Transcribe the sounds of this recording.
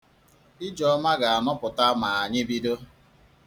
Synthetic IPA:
ɪ˦d͡ʒɔ˨˦ma˦ɡa˨a˨nɔ˦pʊ˨ta˦ma˨a˨ɲɪ˦bi˦do˦

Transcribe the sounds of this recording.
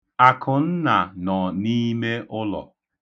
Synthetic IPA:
a˨kʰʊ˨n̩˦na˨nɔ˨ni˦me˦ʔʊ˦lɔ̰˨

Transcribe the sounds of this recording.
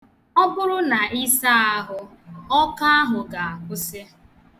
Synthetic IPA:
ɔ˦bʊ˦ɾʊ˦na˨i˦sa˦a˦ɦʊ˦ | ɔ˦ka˦a˦ɦʊ˨ɡa˨a˨kʷʊ˦se˦

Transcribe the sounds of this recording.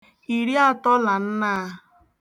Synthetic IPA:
i˨ɾi˦a˦tɔ˦la˨n̩˦naː˦

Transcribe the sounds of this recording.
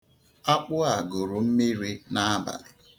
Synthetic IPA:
a˦k͡pʊ˦a˨ɡo˨ɾʊ˨m̩˦mi˦ɾi˦na˦a˦ba̰˨ɾ

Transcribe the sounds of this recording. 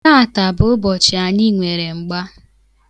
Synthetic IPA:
na˦a˨ta˨bʊ˨˦ʊ˦bɔ˨t͡ʃɪ˨a˨ɲi˦˨ŋʷe˨ɾe˨ŋ͡m̩˨ɡ͡ba˦

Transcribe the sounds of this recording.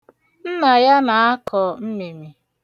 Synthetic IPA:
n̩˦na˨ja˦na˨a˦kʰɔ˨m̩˦me˨mi˨

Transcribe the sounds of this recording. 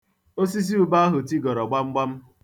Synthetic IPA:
o˦si˦s̬i˦u˦ba˦a˦ɦʊ˨ti˦ɡɔ˨ɾɔ˨ɡ͡ba˦ŋ͡m̩˦ɡ͡ba˦m̩˦

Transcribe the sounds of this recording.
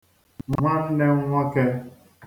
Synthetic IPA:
ŋʷa˦n̩˦ne˦ŋ˦ŋʷa˦ke˦

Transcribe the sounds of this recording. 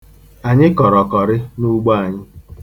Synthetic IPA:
a˨ɲɪ˦kɔ˨ɾɔ˨kɔ˨ɾɪ˦nu˦ɡ͡bɔ˦a˨ɲɪ˦

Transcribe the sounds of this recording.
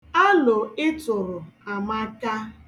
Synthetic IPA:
a˦lʊ˨ɪ˦tʊ˨ɾʊ˨a˨ma˦ka˦

